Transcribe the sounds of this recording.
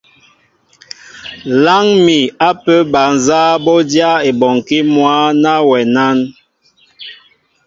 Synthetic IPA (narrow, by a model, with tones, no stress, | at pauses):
la˦ŋmi˨a˦pə˦ba˨n˨zaː˦bɔ˦dja˦e˨bɔ˨ŋ˨ki˦mwa˦na˦wɛ˨na˦n